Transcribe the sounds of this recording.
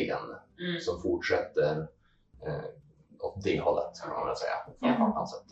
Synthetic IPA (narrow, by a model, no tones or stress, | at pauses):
ɪɡə̰nsɔmfʊʈʂɛt̪ːəɾ | ɔd̪ɛɪhɔlːə̰t̪kʰaana̰sɛjːa̰fɛt̪aa̰nsət̪